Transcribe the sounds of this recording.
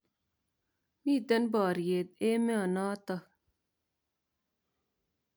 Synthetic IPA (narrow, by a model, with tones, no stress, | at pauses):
miː˦˨d̪ɛ˦nbɑː˨ɾje˨d̪̚e˦me˦a˨nɑː˦t̪ɑ˦